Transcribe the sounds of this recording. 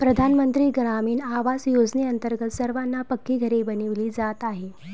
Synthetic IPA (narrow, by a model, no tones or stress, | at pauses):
pɾəd̪ʱanmənt̪ɾiːɡɾamiːnaʋasjod͡zneənt̪əɾɡət̪səɾʋanːapəkːiːɡʱəɾebəniʋliːd͡zat̪aɦe